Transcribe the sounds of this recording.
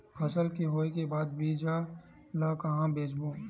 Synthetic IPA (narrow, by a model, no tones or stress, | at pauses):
pʰɐsəlkeɦoːekebaːd̪̚biːd͡ʒaː | lakaɦãbeːd͡ʒbõː